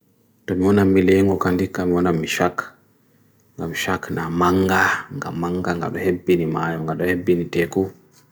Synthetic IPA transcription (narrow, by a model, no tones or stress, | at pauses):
tɔmiwɔnamːilɛŋɡɔkandikːamiwɔnamːiʃak | ŋɡamiʃaknamaŋɡaŋɡa̰mːaŋɡaŋɡa̰ɗɔhebːinimaːjɔmŋɡaɗɔhebːinitɛku